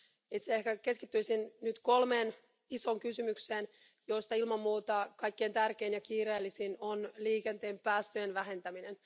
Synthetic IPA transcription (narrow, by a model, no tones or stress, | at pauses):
it̪seehkæke̞skit̪ːyisinnyt̪ko̞lme̞ːn | iso̞ŋkysymykseːn | joist̪ɑilmɑmːuːt̪ɑkɑjkːeːnt̪ærkeːnjɑkiːɾeːlːisinonliːkent̪e̞ːmpæːst̪øjenʋæɦe̞nt̪æminen